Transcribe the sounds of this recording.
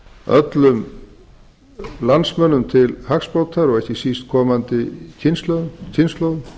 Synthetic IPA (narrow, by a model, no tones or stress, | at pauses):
œ̰t̪lʏm | lansmœnːʏmt̪ʰɪlhakspoːwt̪ʰaɾɔɣɛhcɪsist̪̚kʰɔːmant̪ɪcʰɪnst̪lœðʏmcʰɪnslœwðʏm